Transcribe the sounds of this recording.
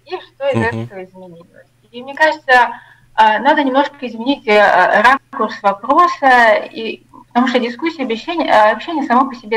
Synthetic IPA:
iʂt̪o̞ɪt̪zɛt̪ət̪əvəɪzmʲɪnʲitʲvo̰ | mnʲekaʐɨt̪sə | anad̪ənʲɪmno̞ʐɨɕʲkəɪzmʲɪnʲitʲɾakʊrsvɐpɾo̞səi | pə̥t̪ɐmuʂt̪ədʲɪskusʲːijɐbʲɪɕːenʲɐpɕːenʲɪjəsɐmopəsʲɪbʲe

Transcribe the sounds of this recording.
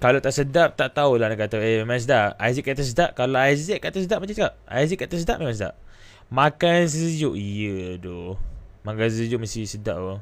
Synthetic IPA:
kalat̪aʔsədap̚t̪aʔt̪aulanakat̪aəmemãŋs̬ədaʔajziʔkat̪əs̬ədaʔ̚kalaajzɛʔ̚kaʔt̪əs̬ədaʔ̚mat͡ʃasəkap̚a̰jziʔkːat̪as̬ədaʔmemãŋsəda̰p̚ | makans̬əd͡ʒʊʔijədomakansəəd͡ʒʊʔməst̪isəda̰ʔə

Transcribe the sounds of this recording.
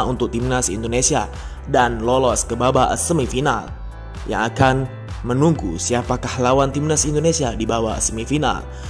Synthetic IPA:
unt̪ʊk̚t̪imnasḭndonesia̰ | danlolɔskəbabaə̰səmifina̰l | ja̰ŋakan | mənuŋɡṵsiapakahlawant̪imnasindonesiadibawa̰səmifina̰l

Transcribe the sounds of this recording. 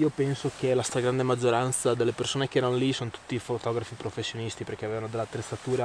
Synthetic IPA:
iopɛnsokelast̪ɾaɡɾand̪emad͡ʒːoɾant̪sad̪elːepersoːnek̟eɛːɾanolisonot̪u̥t̪ːifot̪ɔɡɾafipɾofesːjonist̪iperk̟eaveːvanod̪elːat̪ːɾet̪sat̪uːɾa

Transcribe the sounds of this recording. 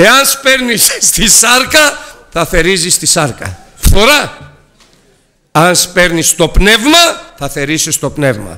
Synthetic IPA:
e̞ɐnspe̞ɾnisːt̪isɐɾkɐθɐθe̞ɾizist̪isɐɾkɐ̰ | ft̪oɾɐ | ɐnspe̞ɾnist̪o̞pne̞vmɐθɐθe̞ɾisist̪o̞pne̞vmɐ̰

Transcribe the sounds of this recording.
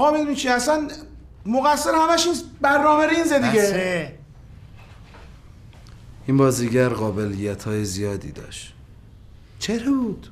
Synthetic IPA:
ɣɒːmed̪uːnimt͡ʃʰiæsæn | moɣæsːeɾehæmæʃinsbæɾnɒːmæɾinzed̪iɡe | ʔimbɒːziɟæɾɣɒːbe̞lijæt̪ʰhɒːjezijɒːd̪ḭːd̪ɒ̰ːʃt̪ | t͡ʃʰeɾebuːd̪̥

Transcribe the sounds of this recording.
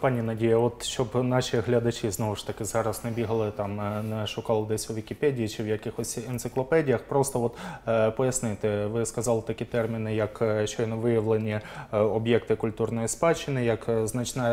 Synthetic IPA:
pɑnʲːinɐdʲijɐɔt̪ʃt͡ʃɔbnɑʃiɦlʲɐd̪ɐt͡ʃɪznoʋʊʃt̪ɐkɪzɑɾɐsnɛbʲiɦɐlˠɪt̪ɑmnɛʃʊkɑlˠɪd̪ɛsʲʊʋʲikʲipɛdʲijit͡ʃɪwjɐkɪxɔsʲɛnt̪sɪklˠɔpɛdʲijɐxpɾɔst̪ɔɔt̪pɔjɐsnɪt̪ɪʋɪskɐzɑlˠɪt̪ɐkʲit̪ɛrmʲɪnɪjɐkʃt͡ʃɔjnɔʋɪjɐʋlˠenʲiɔbjɛkt̪ɪkʊlʲt̪urnɔjispɑt͡ʃɪnɪjɐkznɐt͡ʃnɑ

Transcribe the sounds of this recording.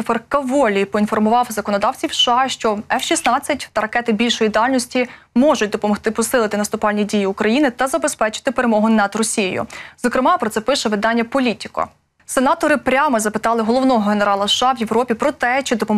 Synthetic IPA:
ɔfɛrkɐʋɔlʲipɔin̪fɔrmʊʋɑwzɐkɔnɔd̪ɑwt͡sʲiwʃɑʃt͡ʃɔɛfʃisnɑt͡sʲːɐtʲt̪ɐɾɐkɛt̪ɪbʲilʲʃɔjid̪ɑlʲnɔsʲtʲi | mɔʒʊt̚ʲd̪ɔpɔmɔxt̪ɪpɔsɪlˠɪt̪ɪnɐst̪ʊpɑlʲnʲidʲijiukɾɐjinɪt̪ɐzɐbespɛt͡ʃɪ̥t̪ɪpeɾemɔɦʊnɐd̪rɔsʲijḛjʊ̰z̥ɔkɾɪmɑpɾɔt̪sɛpɪʃɛʋɪd̪ɑnʲːɐpɔlʲitʲi̥kɐ̰ | senɑt̪ɔɾɪpɾʲɑmɔzɐpɪt̪ɑlˠɪɦɔlˠɔʋnɔɦɔɦeneɾɑlˠɐʃːɑwjeʋɾɔpʲipɾɔt̪ɛt͡ʃɪd̪ɔpɔ

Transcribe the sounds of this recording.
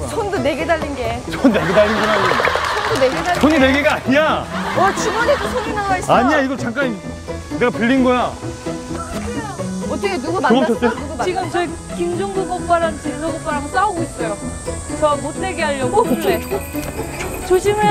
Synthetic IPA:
sʰondone̞ɡedaʎːinɡe̞sʰonneɡedaʎːinɡnaosʰondoneɡedasʰoɲineɡeɡaaɲiaʌt͡ɕiɡʌnetʰosʰoinawaiɕ͈aɲiaiɡʌt͡ɕʰaŋk͈aɲi | ne̞ɡapɯʎːinnɡʌja | ʌt͈ʰʌkʰenuɡamaʌt͡ɕʌt͈enuɡt͡ɕiɡɯmt͡ɕʌikimd͡ʑʌŋboɡʌk̚k͈waɾant͡ɕisʰʌɡok͈̚aɾaos͈aoɡois͈ʌjot͡ɕʌmotʰeɡeɦaʎːʌɡouɭe | t͡ɕoɕʰimɯ

